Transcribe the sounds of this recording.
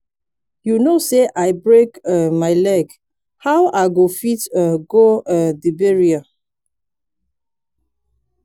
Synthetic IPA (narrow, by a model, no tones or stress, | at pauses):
junoseʔaɪbɹekɛmaɪlɛk | hawaɡofitɡoɛdibeɹia